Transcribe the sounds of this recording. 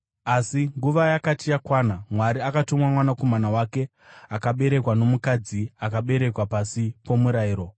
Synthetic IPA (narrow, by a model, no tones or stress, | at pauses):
asiŋɡuʋajakatijakwaːnamwaɾiakatomwamwanako̞manawake̞ | akaɓe̞ɾe̞kwano̞mukad͡ziakaɓe̞ɾe̞kwapasipo̞muɾaiːɾo̞